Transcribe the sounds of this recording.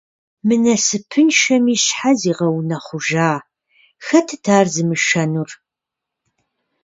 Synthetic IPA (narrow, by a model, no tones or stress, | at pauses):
mɨnɐsɨpʰɨnʃɐmiːɕħaziːʁɐwnɐχʷʊʒaː | xɐtʰɨtʰaːrzɨmɨʃɐnur